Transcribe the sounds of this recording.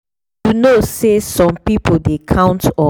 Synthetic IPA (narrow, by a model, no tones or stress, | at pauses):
junosesɔ̃mpipodekʰãʊ̃ntɔ